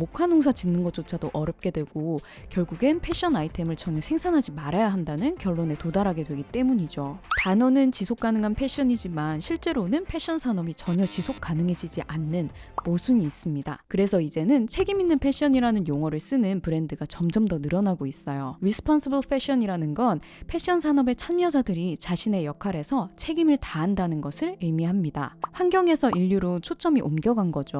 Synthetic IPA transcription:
mokʰanoŋs̬ʰat͡ɕinːɯnɡʌt͡ɕ͈ot͡ɕʰadoʔʌɾjʌp̚k͈e̞dwe̞ɡ̥o | kjʌɭɡuɡe̞npʰe̞ɕ͈ʰʌnaitʰe̞mɯɭt͡ɕʌɲʌsʰe̞ŋsʰanɦad͡ʑimaɾajaɦandanɯnkjʌɭːone̞todaɾɦaɡe̞dwe̞ɡit͈e̞muɲid͡ʑotanʌnɯnt͡ɕisʰok̚k͈anɯŋanpʰe̞ɕ͈ʌɲid͡ʑimanɕʰiɭt͡ɕ͈e̞ɾonɯnpʰe̞ɕ͈ʰʌnsʰanʌmit͡ɕʌɲʌt͡ɕisʰok̚k͈anɯŋɦe̞d͡ʑid͡ʑiʔanːɯn | mosʰuniːs͈ɯmɲida̰kɯɾe̞sʰʌid͡ʑe̞nɯnt͡ɕʰe̞ɡiminːɯnpʰe̞ɕ͈ʰiʌɲiɾanɯnjoŋwʌɾɯɭs͈ɯnɯnpɯɾe̞ndɯɡat͡ɕʌmd͡ʑʌmdʌnɯɾʌnaɡois͈ʌjoɾisʰɯ̥pʰʌnsibɯɭpʰe̞ɕ͈ʰiʌɲiɾanɯnɡʌn | pʰe̞ɕ͈iʌnsʰanʌbe̞t͡ɕʰanmjʌd͡ʑadɯɾit͡ɕaɕʰine̞jʌkʰaɾe̞sʰʌt͡ɕʰe̞ɡimɯɭtaːndanɯnɡʌsʰɯɭɯmiɦamɲida̰ɸwanɡjʌŋe̞sʰʌʔiʎːjuɾot͡ɕʰot͡ɕ͈ʌmiʔomɡjʌɡanɡʌd͡ʑo

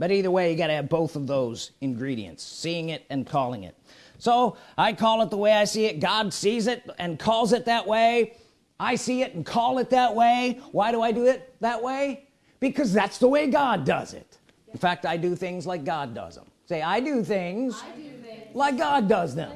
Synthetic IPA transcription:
b̥ʌɾiðə˞weɪjɨɡɑɾɨɨvboʊθʌvðoʊzɨ̃nɡɹiɾḭɨ̰̃ntsːiɪ̃ŋɪɾɨ̃nkʰɔlˠɪ̰̃ŋɪ̰t̚ | soʊʔaɪkʰɔlˠət̪̚ðəweɪaɪsiɨt̚ɡ̥ɑdsizɪɾɨ̃nkʰɔlˠzɨt̪̚ðɨʔ̚weɪ | aɪsiɪɾn̩kʰɔlˠɨt̪̚ðət̚weɪwaɪɾəaɪdɨɪt̪̚ðəʔ̚weɪ | b̥ɨkʰʌzðætsðəweɪɡɑdʌ̰zɪ̰t̚ | n̩fæk̚taɪdɨθɪ̃ŋzlaɪk̚ɡ̥ɑdʌ̰zə̰̃mseɪaɪdɨθɪ̃ŋz̥ | laɪk̚ɡ̥ɑdʌzðɨ̰̃m

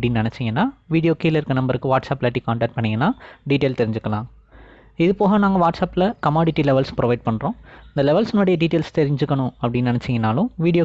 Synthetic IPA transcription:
ɐɽɪnːnɪnɛt͡ʃːɪŋɡɐnːaːʋiːɽɪijoːkiːlɐɪɾkːɯnɐmbɐɾɯkːɯʋaːʈsaːplaːʈːikaːɳʈaːk̚ʈ̚pɐɳːɪŋɡɐnːaːɖiːʈeːlt̪ɛɾɪɲd͡ʒɯkːɐlã̰ː | ɪðɯpoːɣɐnãːŋɡɐʋaːʈsaːpɪlɐkɐmaːɽɪʈːilɛʋɐlspɪɾɔʋɐɪɖ̚pɐɳːɾõːɪnd̪ɐlɛʋɐlsɔnːoːɽɐjɐɖiːʈeːlst̪ɛɾɪɲd͡ʒɯkːɐɳʊ̃ɐpːɐɽɪnːnɪnɛt͡ʃːɪŋɡɐnːaːlʊ̃ʋiːɽɪjoː

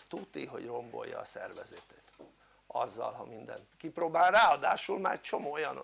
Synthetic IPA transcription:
t̪ut̪iɦo̞ɟro̞mbo̞̰jːɒːsɛrvɛzeːt̪eːt̪ | ɒzːɒlɦɒmind̪ɛnkiproːbaːlraːɒd̪aːʃulmaːɾɛct͡ʃo̞moːjɒn

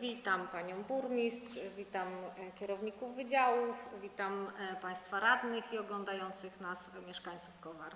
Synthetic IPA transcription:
vʲit̪ampaɲɔ̃w̃buɾmʲist̪ʂvʲit̪amkʲɛɾɔvɲikuvːɘd͡ʑawufvʲit̪ampaj̃st̪faɾad̪nɘxiɔɡlɔnd̪ajɔnt̪sɘxnasmʲjɛʂkaɲʲt̪sufkɔvaɾ

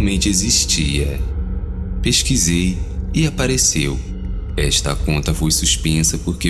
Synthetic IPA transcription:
mẽnt͡ʃɪeziʃt͡ʃiɐ̰ | peʃkizejɪapaɾesew | ɛʃt̪ɐ̰kõnt̪ɐfojsuspẽsɐpoɾke

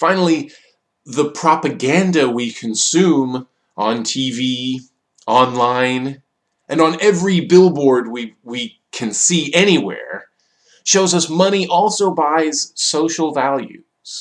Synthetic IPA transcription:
fãɪ̃nl̩ˠi | ðəpʰɹ̥ɑpɨɡæ̃ndɨwikʰɨ̃nsʉ̃m | ʔə̃ntʰivi | ʔɑ̃nlãɪ̃n | ʔɨ̃nə̃nɛvɹibɪlˠbɔɹd̚wiwi | kʰɨ̃nsiʔɛñiwɛ̰ɹ | ʃoʊzʌsmʌñiʔɔlˠsoʊbaɪz̥soʊʃl̩ˠvælˠjʉ̰ | z̥

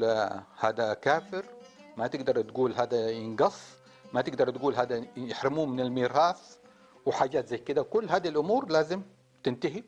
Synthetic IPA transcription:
haːd̪akaːfɪɾ | mat̪ɪɡd̪ɑɾˤt̪ɡuːlɦaːd̪ajɪnɡɑsˤː | mat̪ɪɡd̪ɑɾˤt̪ɡuːlɦaːd̪ajɪħɾɪmuːmɪnɪlmiːɾɑːθ | wɪħaːɟːaːt̪zajːkɪd̪akʊlːhaːd̪iilʔʊmuːɾlaːzɪm | t̪ɪnt̪aɦi

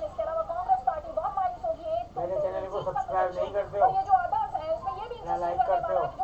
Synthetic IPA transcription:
d͡ʒɪskeɐlaːʋakɔ̃ːŋɡɾespaːɾʈibɔːt̪maːlisoːd͡ʒiɛ̃ɛd͡ʒat͡ʃɛlnekosɐbskɾajbnɐ̃ɦĩkɐɾt̪eɔɾjed͡ʒoaːd̪aːsɦɛʊsmẽjebʱilakɐɾkɐɾt̪eo

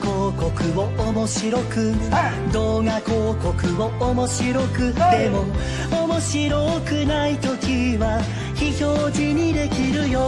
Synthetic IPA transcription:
koːko̞kɯ̟o̞omo̞ɕiɾo̞kɯ̟ | d̪o̞ːɡakoːko̞kɯ̟βo̞ʔomo̞ɕiɾo̞kɯ̟t̪e̞mo | omo̞ɕiɾo̞kɯ̟nait̪o̞kʲiβa | çiçoːʑiɲ̟id̪e̞kʲiɾɯ̟jo

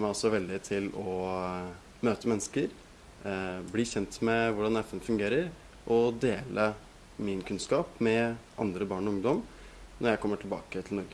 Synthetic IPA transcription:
mæɪɔsɔʋɛld̪ɪt̪ʰɪlɔ | møːt̪əmɛnːəskəɾ | bliːçɛnt̪mɛʋʊɖɑnɛfɛnfʉŋɡeːɾəɾ | ʔɔd̪eːlə | mɪnkʰʉnskɑːpmɛʔɑ̰nd̪ɾəbɑːɳɔʊŋd̪ɔm | nɔɾjæɪkʰɔmːəʈʰɪlbɑ̰ːkət̪ʰɪlnɔɾɡə

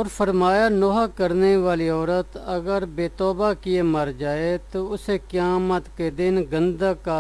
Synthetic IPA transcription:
ɔːɾfʰəɾmaːjaːnoɦaːkəɾneːʋaːliːɔːɾət̪əɡəɾbeːt̪ɔːbaːkieːməɾd͡ʒaːet̪oːʊseːkjaːmət̪keːd̪ɪnɡənd̪akaː

